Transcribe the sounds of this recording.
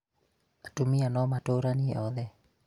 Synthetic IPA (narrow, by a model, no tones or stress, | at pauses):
atumianɔmatoɾaniɛ̰ʔɔðɛ